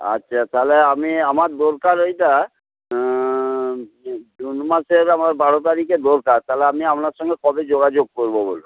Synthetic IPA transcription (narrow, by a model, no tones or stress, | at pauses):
a̰tːɕʰat̪aleamiamaɾd̪oɾkaɾojʈa | d̪unmaʃeɾamaɾbaɾot̪aɾiked̪oɾkaɾt̪ʰaleamiamnaɾʃɔŋɡekɔbed͡ʑoɡad͡ʑoɡ̚koɾbobolu